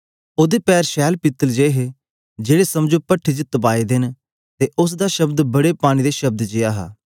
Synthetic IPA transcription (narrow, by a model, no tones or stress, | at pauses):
oːd̪epɛːɾʃɛːlpɪt̪ːəld͡ʒeːɦe | d͡ʒeːɽeːsɐmd͡ʒopəʈʰiːt͡ʃt̪əp̬aːed̪ɪn | t̪eʔʊs̬d̪aʃɐbd̪bɐɽepaːɽ̃id̪eːʃɐb̚d̪d͡ʒɪjaːɦa̰ː